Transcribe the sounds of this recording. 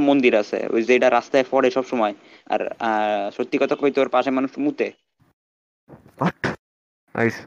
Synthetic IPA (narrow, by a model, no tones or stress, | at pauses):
mond̪iɾasʰḛzejʈaɾast̪aefɔɽeʃɔbʃɔmɔe | a̰ɾʃot̪ːikɔt̪akʰoit̪oɾpaʃemanuʃmut̪e | ɔʈː | a̰js